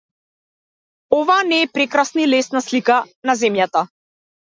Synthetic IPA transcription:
ɔvanɛːpɾɛkɾasnilɛsnaslika | nazɛmjat̪a

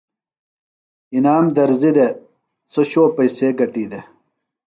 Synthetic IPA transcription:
inaːmd̪ɐɾzid̪e | soɕoːpɐjseːɡɐʈiːd̪e

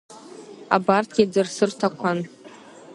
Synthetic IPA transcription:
a̰bartʰɡʲid͡zɨrsɨrtʰakʷʰan

